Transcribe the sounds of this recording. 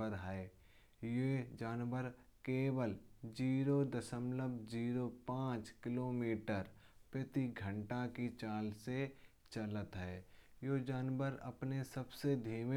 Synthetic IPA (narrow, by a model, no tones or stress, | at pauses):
əɾɦɛe | jed͡ʒaːnwəɾkeːʋəld͡ʒiːɾod̪əsəmləbd͡ʒiːɾopãːt͡ʃkɪloːmiːʈəɾpɾət̪iɡʱə̃ɳʈakit͡ʃaːlse | t͡ʃələt̪ɦɛːjod͡ʒaːnwəɾɐ̰pnesəbsed̪ʱiːm